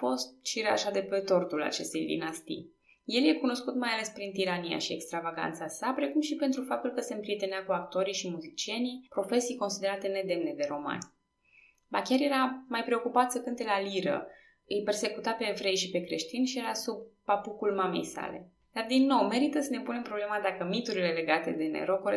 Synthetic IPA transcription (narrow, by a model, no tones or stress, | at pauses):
fo̞st̪̚ʃiɾea̰ʃad̪e̞pet̪o̞rt̪ula̰t͡ʃe̞st̪e̞jd̪ḭnast̪ḭj | je̞ljekuno̞skut̪majale̞spɾint̪iɾanija̰ʃiekst̪ɾavaɡa̰nt̪sasapɾe̞kumʃipent̪ɾufap̚t̪ulkəse̞mpɾiet̪eneakuak̚t̪o̞ɾiʃimuzit͡ʃie̞nipɾo̞fe̞sijko̞nsid̪e̞ɾat̪e̞ne̞d̪e̞mne̞d̪e̞ɾo̞ma̰nʲ | bakʲjaɾje̞ɾamajpɾe̞o̞kupat̪səkɨnt̪e̞laliɾə̰ | ɨjpe̞rse̞kut̪ape̞ːvɾe̞jʃipe̞kɾe̞ʃt̪inʲʃijeɾasub̚papukulmame̞̰jsa̰le̞̰ | d̪ard̪inːo̞wme̞ɾit̪əsəne̞pune̞mpɾo̞ble̞mad̪akəmit̪uɾile̞le̞ɡat̪e̞̰d̪e̞nḛɾo̞koɾe